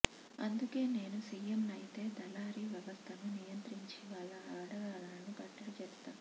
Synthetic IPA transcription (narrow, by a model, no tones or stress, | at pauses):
ɐ̰nd̪uke̞ːne̞ːnusiːjemnɐjit̪e̞ːd̪ɐlaːɾiʋjɐʋɐst̪ʰɐnunijɐnt̪ɾiɲt͡ʃiʋaːɭːɐaːɽɐɡaːlɐnɐnibɐʈːɐlɐt͡ʃɛːɾst̪aː